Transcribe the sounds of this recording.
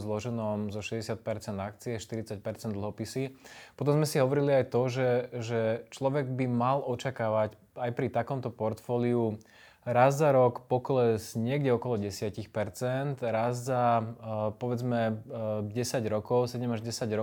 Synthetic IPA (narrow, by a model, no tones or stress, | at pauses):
zlɔʒɛnɔmzɔʃɛzɟɛsɪat̪̚pɛɾt͡sɛnd̪ak̚t͡siɛʃt̪iɾit͡sac̚pɛɾt͡sɛnd̪l̩ɦɔpisipɔt̪̬ɔmzmɛsiɦɔʋɔɾiliajt̪ɔʒɛʒɛt͡ʃlɔʋɛɡbimalʔɔt͡ʃakaːʋac | ajpɾit̪akɔmt̪ɔpɔɾt̪fɔːliu | ɾazzaɾɔkpɔklɛzɲɪɛɡɟɛɔkɔlɔɟɛsɪacixpɛɾt͡sɛnt̪ɾazza | pɔʋɛd͡zmɛɟɛsaɟɾɔkɔʊsɛɟɛmaʒɟɛsaɟɾɔ